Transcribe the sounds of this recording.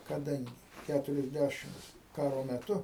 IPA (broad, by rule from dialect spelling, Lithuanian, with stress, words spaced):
kɐˈdɐŋʲɡʲɪ ˈkʲætʊrʲɛzʲˌdʲæʃʲɪmts ˈkɑːroː mʲɛˈtʊ